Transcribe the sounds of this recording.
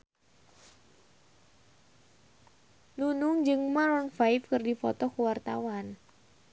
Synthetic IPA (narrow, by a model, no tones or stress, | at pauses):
nunʊŋd͡ʒɨŋmaɾɔnfajfkɨrdifɔ̰t̪ɔkuwart̪a̰wan